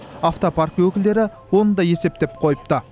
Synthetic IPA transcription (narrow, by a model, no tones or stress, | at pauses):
aft̪o̞pʰaɾkwɵkʲɪld̪e̞ɾɪ | wo̞nəd̪ɑje̞se̞p̚t̪e̞p̚qʰo̞jəp̚t̪ə